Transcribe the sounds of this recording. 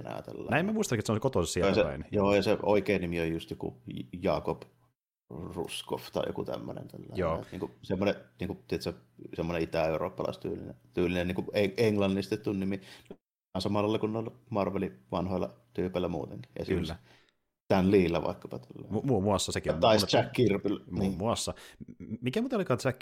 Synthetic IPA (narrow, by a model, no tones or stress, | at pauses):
enɑ̰jɑ̰t̪ḛlːɑ̰næˑimæmuist̪ɑlkːit̪sonsekot̪osesiɑseɑ̰injoːjɑseoˑikeːnnimiojjust̪jokṵjɑːkop | rṵsko̰ft̪ɑˑḭjo̰kṵt̪æ̰mːø̰nḛnt̪æ̰lːæ̰joniːŋkusemːoneʔniːŋkuʔt̪iet̪sɑsemːoneit̪æeˑuro̰ːpːɑlɑ̰ˑist̪yːlḭnḛt̪yːlinenniːŋkueeŋlɑnːisit̪ːet̪t̪ːunnimin | ɑnsɑmɑlːˑɑˑlːɑkunneolmɑrʋeliʋɑnhoˑjlːɑ̰t̪yːpælːæmṵːt̪eŋki̥jɑ̰silːæ | t̪ænliːlːæʋɑ̰ˑekːɑpɑt̪ælːæ̰mumuɑsːɑsekit̪ɑˑistt͡ʃækːirpilnimuɑsːɑmikæmut̪ɑolikɑnt͡ʃækː